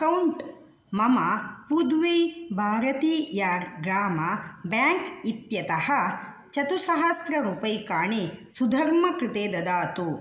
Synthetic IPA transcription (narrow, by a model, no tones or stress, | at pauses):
kɐwɳʈ | mɐmɐpud̪ʋeːbʱaːɾɐt̪iːjaɡɾaːmɐbjaːŋkit̪jɐt̪ɐhɐ | t͡ʃɐt̪usɐɦɐst̪ɾɐɾuːpɐjkaːɳesud̪ʱɐɾmɐkɾɪt̪eːd̪ɐd̪aːt̪u